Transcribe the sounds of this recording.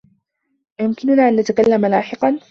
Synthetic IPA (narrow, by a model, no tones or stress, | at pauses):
jʊmkɪnʊnaːʔanːat̪akalːamalaːħɪqɑn